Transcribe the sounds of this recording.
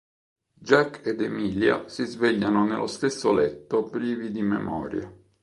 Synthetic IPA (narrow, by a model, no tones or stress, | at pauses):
d͡ʒakːed̪ɛmiːlja̰sizvɛʎːanonḛlʔo̰st̪esːolɛt̪ːopɾiːvid̪imɛ̰mɔ̰ːɾja